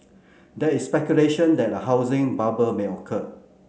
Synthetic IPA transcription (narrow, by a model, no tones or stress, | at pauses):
dɛtispɛkjuleʃə̃ndɛt̚dəɦaʊzɪ̃ŋbabəlmeɔkʰə